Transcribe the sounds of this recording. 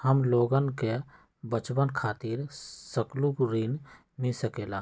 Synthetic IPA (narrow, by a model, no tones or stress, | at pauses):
həmloːɡənke | bət͡ʃbənkʰaːt̪iɾsəkluɡɾin | misəkeːlaː